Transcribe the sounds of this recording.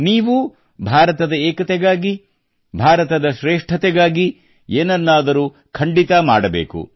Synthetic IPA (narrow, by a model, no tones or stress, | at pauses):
niːʋu | bʱaːɾɐt̪ɐd̪ɐɛːkɐt̪ɛɡaːɡi | bʱaːɾɐt̪ɐd̪ɐʃɾeːʂʈʰɐt̪ɛɡaːɡi | eːnɐnːaːd̪ɐɾuː | kʰɐɳɖit̪ɐmaːɽɐbḛːkṵ